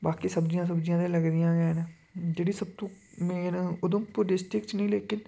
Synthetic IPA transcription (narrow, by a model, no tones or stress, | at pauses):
baːkiːsəbd͡ʒɪjãːs̬əbd͡ʒijãːd̪ẽːləɡd̪ɪjãːɡɛːnː | d͡ʒeːɽiːsəb̚t̪õːmeːnʊd̪õːpʊɾɪsʈɪkt͡ʃnəĩːleːkɪn